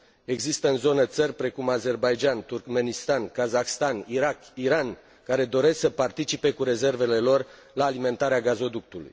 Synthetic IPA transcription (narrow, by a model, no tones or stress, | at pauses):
e̞ɡzist̪əɨnzo̞nət̪sərʲpɾe̞kumaze̞rbajd͡ʒant̪urkme̞nist̪ankazaxst̪aniɾakiɾan | kaɾe̞d̪o̞ɾe̞ssəpart̪it͡ʃipe̞kuɾe̞ze̞rve̞le̞lo̞r | laːlime̞nt̪aɾeaɡazo̞d̪uk̚t̪ulṵj